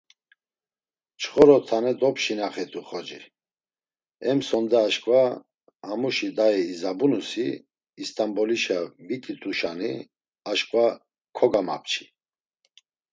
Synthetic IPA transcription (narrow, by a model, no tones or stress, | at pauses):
t͡ʃʰχɔɾɔt̪ʰanɛd̪ɔpʃinaχɛt̪ʰʼuχɔd͡ʒi | ɛmsɔnd̪ɛːʃkʼva | amuʃid̪aɛːzabunusiː | st̪ʼambɔliʃavit̪ʼit̪ʼuʃani | aʃkʼva | kʰɔɡama̰p̚ʰt͡ʃʰi̥